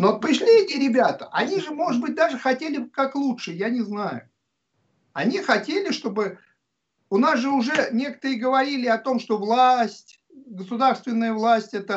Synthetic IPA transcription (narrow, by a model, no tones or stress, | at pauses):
nopɾʲɪʂlʲiɛtʲɪɾʲɪbʲat̪ə̥ʔɐnʲiʐɨmo̞ʐɨd̪̚bɨt̚ʲd̪aʐɨxɐtʲelʲɪkaklˠutʂɨjanʲɪznajʊ | ɐnʲixɐtʲelʲɪʂt̪o̞bɨ | ʊnasʐɨʊʐɛnʲe̞kə̥t̪əɾɨəɡəvɐɾʲilʲɪɐt̪o̞mʂt̪o̞vlˠasʲtʲ | ɡəsʊd̪arst̪vʲɪnːəjəvlˠasʲtʲɛt̪ə